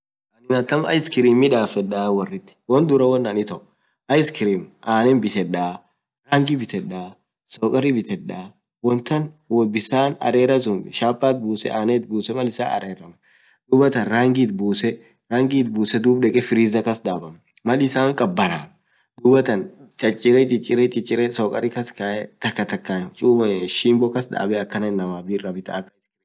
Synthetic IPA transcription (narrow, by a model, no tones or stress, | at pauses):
ʔɐnɪnɐt̪ːɐmɐ̰jɪskɪɾiːmɪᶑaːfɛᶑaːwɐrːɪt̪ːɪ̥wɐnd̪ʊɾɐwɐnːɐnɪt̪ɐʔʊ | ɐjskɪɾiːmʔaːnɛnbɪt̪ɛᶑaː | ɾaːŋɡɪbɪt̪ɛᶑaː | soːkʼɐɾɪbɪt̪ɛᶑːaː | wɔnt̪ɐnwɔbɪsaːnɐ̰ɾeːɾɐs̬ʊmʃaːpːaːt̪̚buːsɛ̰ʔaːneːt̪buːsɛmɐlɪsa̰ːnʔɐ̰ɾeːɾɐmɐ | d̪̥uːbɐt̪ɐnɾaːŋɡiːt̪̚buːsɛ | ɾaːŋɡiːt̪̚buːsɛd̪uːbᶑɛkʼɛfɪɾiːzɐkɐsd̪aːbɐm | mɐlɪsaːŋkʼɐbːɐɾaː | d̪uːbɐt̪ɐnt͡ʃʼɐt͡ʃʼːɪɾɛt͡ʃʼɪt͡ʃʼːɪɾet͡ʃʼɪt͡ʃʼɪɾɛsoːkʼɐɾɪkɐskaʔɛt̪ɐkːɐt̪ɐkːat͡ʃʼuːbʃiːmbɔkɐsd̪a̰ːbɛɐkːɐnenːɐmaːbiːɾɐbɪt̪ɐ̰ɐkːɐɪt̪